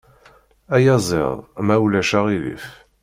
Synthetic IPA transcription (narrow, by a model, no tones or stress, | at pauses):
æjæzˤɪ̰ðˤmæwlæʃaʁilḭf